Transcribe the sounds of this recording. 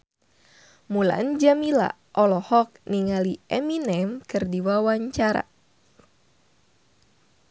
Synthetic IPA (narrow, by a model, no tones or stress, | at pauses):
mula̰nd͡ʒamila̰ | ʔɔlɔhɔk̚niŋaliʔɛminɛmkɨrdiwawaɲt͡ʃaɾa̰